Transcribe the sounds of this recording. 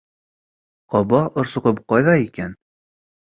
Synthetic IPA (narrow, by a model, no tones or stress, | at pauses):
qɒbɑŏɾsŏqɤp̚qɒjðɑikæn